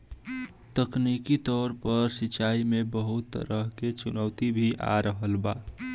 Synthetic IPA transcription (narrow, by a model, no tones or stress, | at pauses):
t̪əknikit̪ɔːɾpəɾsɪt͡ʃaːimebəɦʊt̪ːə̰ɾəɦket͡ʃʊnəʊt̪ibʱiʔa̰ɾəɦəlba̰ː